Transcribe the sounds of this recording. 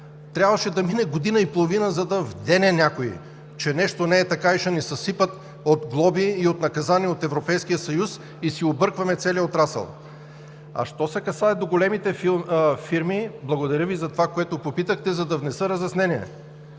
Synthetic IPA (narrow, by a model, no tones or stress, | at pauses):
t̪ɾʲabvɐʃɛd̪ɐminɛɡod̪inɐipolˠovinəzɐd̪ɐvd̪ɛnɛnʲakoḭ | t͡ʃɛnɛʃt̪onɛːt̪ɐkaiʃɛnɛsɐsipət̪ | ot̪ɡlˠɔbiːot̪nɐkɐzaniot̪ɛvɾopɛjskijəsɐjus | isiobɤɾkvɐmɛt̪sɛliəot̪ɾasə̰lˠ | ɐ̰ʃt̪ɔsɛkɐsaɛd̪oɡolɛmit̪ɛfiɾmiblˠɐɡod̪ɐɾʲəvizɐt̪ovakoɛt̪opopit̪əxt̪ɛzɐd̪ɐvnɛsɤɾɐzɛsnɛniɛ̰